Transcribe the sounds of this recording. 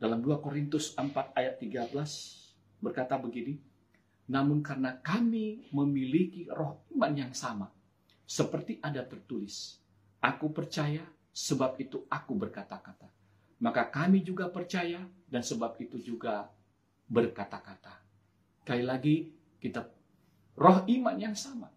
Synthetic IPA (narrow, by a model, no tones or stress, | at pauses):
dalamduakoɾint̪ʊsəmpat̪̚ajat̪ːiɡabəlas | bərkat̪abəɡini | namʊnkarənakamiməmilikirɔhimanjaŋsama | səpərt̪iʔadat̪ərt̪ulɪs | ʔakupərt͡ʃaja | səbap̚it̪uʔakubərkat̪akat̪a | makakamid͡ʒuɡapərt͡ʃajadansəbap̚it̪ud͡ʒuɡa | bərkat̪akat̪a | kailaɡi | kit̪ap̚ | rɔɦimanjaŋsama̰